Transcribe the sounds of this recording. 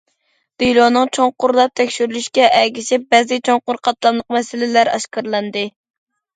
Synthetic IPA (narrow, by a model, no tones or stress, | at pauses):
d̪̥ijlˠonɨŋt͡ʃʰoŋqʊɾlˠɑp̚t̪ʰɛkʲʃyɾlyʃkʲɛʔɛɡʲiʃɪp̚bɛzɪt͡ʃʰoŋqʊɾqʰɑt̪lˠɑmlˠəqmɛsɪlɪlæɾɑ̰ʃkɑɾlˠɑnd̪ɨ